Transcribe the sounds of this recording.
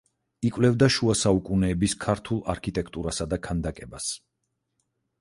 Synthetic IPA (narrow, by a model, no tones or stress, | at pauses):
ikʼvlɛvd̪aʃuasaukʼunɛːbiskʰaɾt̪ʰulˠa̰ɾkʰit̪ʼɛkʰt̪ʼuɾasad̪akʰand̪akʼɛbas